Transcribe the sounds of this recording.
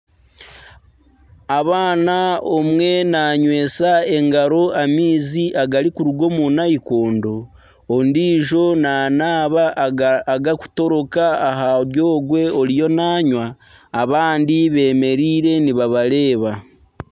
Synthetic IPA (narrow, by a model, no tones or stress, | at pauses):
aβaːnaomwe̞naːɲwe̞ːsae̞ŋɡaɾo̞amiːziʔaɡaɾikuɾuɡo̞munaikoːndo̞ː | ndiːʒo̞naːnaːβaː | ɡaku̥to̞ɾo̞kaːɦaβjo̞ːɡwe̞o̞ɾijo̞naːɲwaː | βaːndiβe̞ːme̞ɾiːɾe̞niβaβaɾe̞ːβa